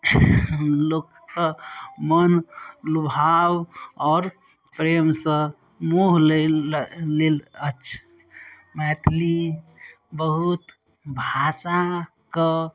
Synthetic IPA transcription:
lokːəmənlubʱawɔːɾ | pɾemsə̃ | muɦle | lelət͡ʃʰ | mɛt̪ʰli | bəɦut̪ | bʱasa | kə

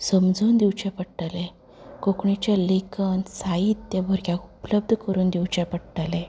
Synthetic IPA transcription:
səmd͡zʱuːnd̪iwt͡ɕapəɽʈale | kokɳit͡ɕalekənsaiːt̪t̪jabʱəɾɡʲjakupləb̚d̪ʱkəɾuːnd̪iwt͡ɕapəɽʈale

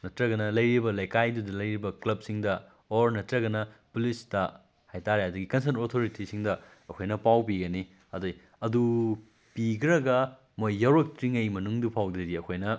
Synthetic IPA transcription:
nɐtɾɐɡɐnɐlɐjɾibɐlɐjkajdudɐlɐjɾibɐklɐb̚siŋdɐ | oɾnɐtɾɐɡɐnɐpulistɐ | hajtaɾehɐdɐɡikɐns̬ɐntotʰoɾitisiŋdɐ | ɐkʰojnɐpawbiɡɐni | ɐdoj | ɐdu | piɡɾɐɡɐ | mojːɐwɾɐk̚tɾiŋɐjmɐnuŋdupʰawdɐdiɐkʰojnɐ

